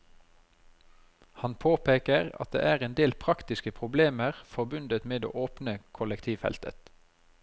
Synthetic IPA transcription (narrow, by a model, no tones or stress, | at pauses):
hɑnpʰoːpeːkəʁɑ̰t̪̚d̪ḛːʔæːʁeːnd̪eːlpʰʁɑkt̪ɪskəpʰʁʊbleːməʁfɔʁbʉnd̪ət̪meːd̪o̰ːʔoːpnəkʰʊlɛkt̪ʰiːʋfɛ̰lt̪ʰə̰t̪